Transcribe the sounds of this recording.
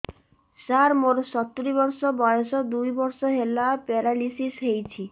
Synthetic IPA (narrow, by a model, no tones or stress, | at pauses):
saɾmoɾɔsɔt̪ɾibɔɾsɔbɔjɔsɔd̪ujbɔɾsɔɦelapeɾalisisɦejt͡ʃʰi